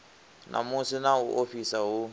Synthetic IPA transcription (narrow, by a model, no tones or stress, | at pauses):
nʔã̰mũsenaoʔofisawo